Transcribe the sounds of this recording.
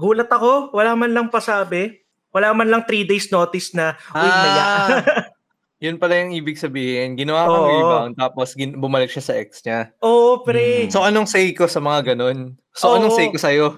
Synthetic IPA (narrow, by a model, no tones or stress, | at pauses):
ɡuːlɐt̪ɐko̞wɐlaːmɐnlɐŋpɐsaːbɛ | wɐlaːmɐnlɐŋt̪ɾiːd̪ejsno̞ːt̪ɪsnɐʔaʊɐa | jʊnpɐlɐjɐŋʔiːbɪɡ̚sɐbiːhɪnɡɪnɐwakonːbawnt̪aːposɡɪnbʊmɐlɪk̚ʃasɐʔɛk̚sɲaʔoːʔopɾɛsoʔɐnoŋsɛjkosɐmɐŋaɡɐno̞n | sooʔɐnoŋsɛjkosɐjo̞